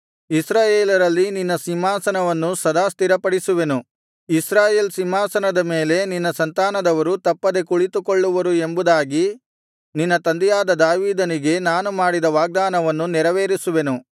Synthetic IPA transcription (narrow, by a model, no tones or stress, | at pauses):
isɾaːjeːlɐɾɐlːininːɐsimaːsɐnɐʋɐnːusɐd̪aːst̪iɾɐpɐɽisuʋe̞nu | isɾaːjeːlsimːaːsɐnɐd̪ɐme̞ːle̞ninːɐsɐnt̪aːnɐd̪ɐʋɐɾut̪ɐpːɐd̪e̞kuɭit̪ukoɭːuʋɐɾue̞mbud̪aːɡi | ninːɐt̪ɐnd̪ɛjaːd̪ɐd̪aːʋiːd̪ɐniɡe̞naːnumaːɽid̪ɐʋaːɡ̚d̪aːnɐʋɐnːuniɾɐʋeːɾisuʋe̞nu